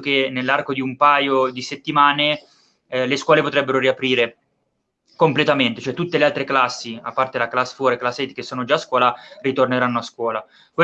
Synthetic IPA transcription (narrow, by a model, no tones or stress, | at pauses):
kenelːarkod̪iumpaːjod̪iset̪ːimaːne | leskwɔːlepot̪ɾɛbːeɾoɾiapɾiːɾe | komplet̪ament̪e̥t͡ʃoɛt̪ːut̪ːelealt̪ɾeklasːia̰pːart̪elaklasfoɾeklasːet̪ikesːoːnod͡ʒaːskwɔːlarit̪orneɾanːoaskwɔːla | kwe